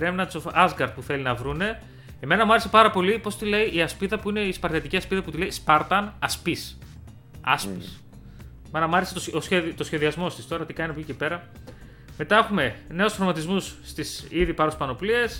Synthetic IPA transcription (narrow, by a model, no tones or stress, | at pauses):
ɾemnɐsoɐzɡɐɾt̪̚puθe̞linɐvɾune̞ | eme̞nɐmuɐɾese̞pɐɾɐpo̞lipo̞st̪ile̞iʔiɐspiðɐpuine̞ispɐɾt̪ɐt̪iciɐspiðɐput̪ile̞ispɐɾt̪ɐnɐspis | ɐ̰spis | eme̞nɐmuɐɾeset̪oosçeðit̪o̞sçe̞ðiɐzmo̞st̪ist̪o̞ɾɐt̪ikɐninɐpocicepe̞ɾɐ | me̞t̪ɐexume̞ne̞osfɾomɐt̪izmusːt̪isiðipɐɾospɐno̞plie̞s